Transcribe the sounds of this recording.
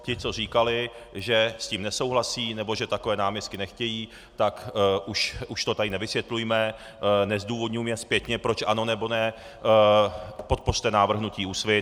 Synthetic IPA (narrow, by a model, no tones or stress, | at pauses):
cɪt͡so̞r̝iːkalɪ | ʒɛsciːmnɛso̞wɦlasiːnɛbo̞ʒɛt̪akovɛːnaːmɲɛst̪̚kɪnɛxcɛjiː | t̪akʔuʃuʃt̪ot̪adɪnɛvɪsʋjɛt̪lujmɛ | nɛzduːvo̞d̪ɲujmjɛspjɛt̪ɲɛpɾo̞t͡ʃʔano̞nɛbo̞nɛ | po̞t̪̚po̞r̥t̪ɛnaːvr̩ɦnuciːusvɪt̪